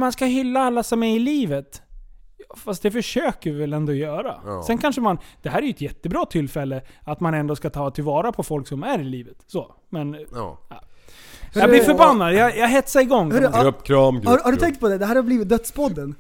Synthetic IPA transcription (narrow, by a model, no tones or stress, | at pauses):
manskaɦʏlːaalːasɔmɛɪliːvət̪jɑːfast̪̚d̪ɛfœʂøːkəɾɪvɛlɛnd̪oːjœːɾa̰sɛnkʰanʂəmand̪̥ɛɦæːɾɛjɵɛt̪jɛt̪ːəbɾɑːt̪ʰɪlːfɛlːəat̪manɛnd̪oːskat̪ʰɑːt̪ʰɪlvɑːɾapʰɔfɔlksɔmæɾɪliːvət̪soː | mɛna̰ː | jablɪɾfœɾbanːad̪jjajaɦɛt̪saɪɡɔŋːhpːkʰɾɑːmhahaɖɵɛŋkt̪̚pʰɔd̪ɛd̪ɛɦæːɾhaɾbliːvɪt̪̚d̪œt̪spʰɔd̪ːən